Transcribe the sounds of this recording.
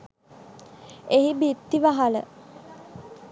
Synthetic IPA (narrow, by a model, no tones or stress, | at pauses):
eɦibit̪ːiʋaɦalə̰